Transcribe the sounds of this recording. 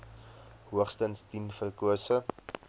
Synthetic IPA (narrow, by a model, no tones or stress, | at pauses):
ɦuəχstənstinfərkuəsə